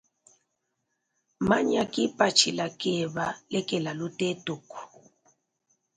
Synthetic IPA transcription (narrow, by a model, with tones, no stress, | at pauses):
ma˦ɲa˨kʼi˦pʼa˨t͡ʃʰi˨la˨kɛ˦˨βa˨lɛ˦kʼɛ˨la˨lu˦tʼɛ˦tʼu˨ku̥˨